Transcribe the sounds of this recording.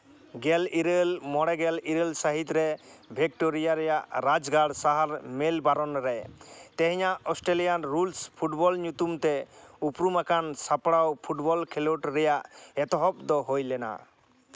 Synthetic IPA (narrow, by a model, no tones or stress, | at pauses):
ɡɛliɾelmɔɽɛɡɛliɾelsaɦit̪ɾɛbʱɛk̚ʈoɾijaɾɛjaʔɾad͡ʒɡaɽsaɦaɾmɛlbaɾɔnɾɛt̪ɛɦɛɲaʔɔsʈɾelijanɾulspʰuʈbɔlɲut̪umt̪ɛupɾumakansapɽawpʰuʈbɔlkʰɛloʈɾɛjaʔɛt̪ɔɦɔp̚d̪ɔɦojlɛna̰